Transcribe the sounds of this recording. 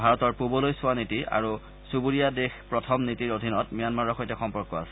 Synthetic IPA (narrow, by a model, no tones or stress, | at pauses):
bʱaɹɔtɔɹpubɔlojsʊwanitiʔa̰ɹu | subuɹijadexpɹɔtʰɔmnitiɹodʱinɔtmijanmaɹɔɹxojtɛxɔmpɔɹkːɔa̰sɛ̥